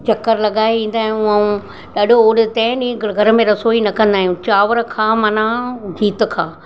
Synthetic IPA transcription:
t͡ɕɐkːəɾlɐɠaːiʋĩːn̆d̪aːɦijũɐːũ | ɗaːɗʱooːɽt̪ɐ̃ɦɪ̃ɗĩːɡʱɐɾəmẽɾɐsoinɐkɐ̃nd̪aːɦjũt͡ɕaːʋəɾə̆kʰãːmɐnãɡʱiːt̪̆kʰãː

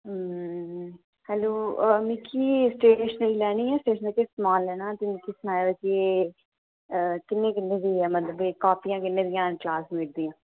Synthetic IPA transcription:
hɛːloːmĩːkʰiːsʈɾeːiːʃnəlːlɛːɽ̃iːɛːsʈeːʃnəlkesmaːllɛːñãːt̪ɪnikiːsnaːʋəd͡ʒeː | kɪnːẽːkɪnːẽːd̪iːɛːmət̪ləbeːkaːpijãːkɪnːẽːd̪ɪjãːklaːsmiːʈ̚d̪iːãː

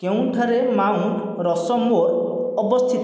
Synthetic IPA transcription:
kew̃ʈʰaɾemaw̃ | ɾɔsɔmoɾ | ɔbɔst̪ʰit̪

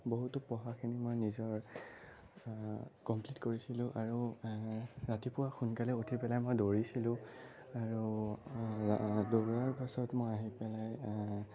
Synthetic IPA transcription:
boɦutʊpɔɦakʰinimojnizɔɹ | kɔmplitkoɹisilʊ̃ʔaɹu | ɹatipʊwaxunkalɛotʰipɛlajmojdoɹisilʊ̃ | aɹu | doɹaɹpasɔtmojaɦipɛlaj

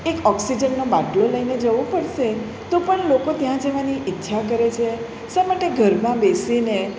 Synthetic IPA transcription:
ekɔksid͡ʒənːobaɖloləined͡ʒəʋopəɽʃe | t̪opəɳlokot̪jãd͡ʒəʋaniʔɪtːʃʰakəɾet͡ʃʰe | ʃamaʈeɡʱəɾmãbesine

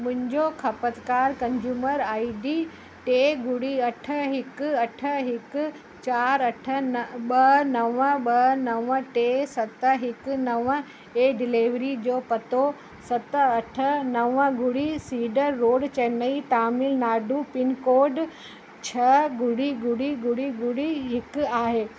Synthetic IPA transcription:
mʊ̃ɦɪ̃ɲd͡ʑokʰɐpət̪kaːɾkɐ̃ɲd͡ʑuːməɾaːiɖi | ʈeːɡʊɽiɐʈʰə̆ɦɪkʊɐʈʰəɦɪkʊ̆ | t͡ɕaːɾɐʈʰə̆nɓɐnɐʋəɓɐnɐʋəʈeːsɐt̪ɦɪkʊnɐʋə | eːɖɪliʋɾid͡ʑoːpɐt̪o | sɐt̪əɐʈʰənɐʋəɡʊɽisiːɖəɾːoːɖt͡ɕɐnəit̪aːmɪlnaːɖupɪnkoːɾɖ | t͡ɕʰɐɡʊɽiɡʊɽiɡʊɽiɡʊɽiɦɪkʊaːɦeː

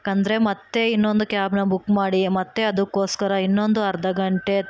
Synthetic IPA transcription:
kɐnd̪ɐɾe̞mɐt̪ːe̞inːo̞nd̪ukjaːbnɐbukːmaːɽimɐt̪ːe̞ɐd̪ukːoːskɐɾɐinːo̞nd̪uɐɾd̪ɐɡɐɳʈe̞

